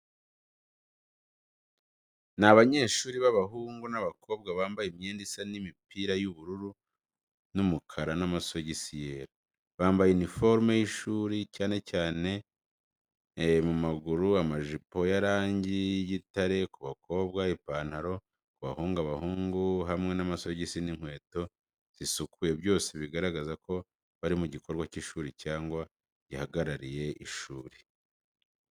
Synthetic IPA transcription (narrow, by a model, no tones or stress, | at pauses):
naβaɲe̞ːʃuːɾiβaβaɦuːŋɡunaβakʰo̞ːbɡaβaːmbajemɲeːndisanimipiːɾajuβuɾuɾu | numukʰaɾanamaso̞ɟisijeɾa | βaːmbajenifo̞ɾmejiʃuːɾicaːne̞caːne̞ | mumaɡuɾuamaʒipo̞jaɾaːɲɟijitaɾe̞kuβakʰo̞ːβɡaipaːn̥haɾo̞ | kuβahuːŋɡaβahuːŋɡuɦamŋe̞namasoɟisiniŋ̥hwe̞ːto̞ | z̥isukuje̞βjo̞ːse̞βiɡaɾaɡazakʰo̞ | βaɾimuɟikʰo̞ɾɡwaciʃuːɾicaːŋɡwa | ɟihaɡaɾaɾije̞iʃuːɾi̥